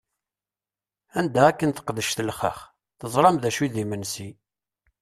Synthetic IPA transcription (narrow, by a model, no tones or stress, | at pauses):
ænd̪æːkːənt̪ə̥qðəʃt̪əlχə̰χ | θəzˤɾˤɑmðæʃuðimənsi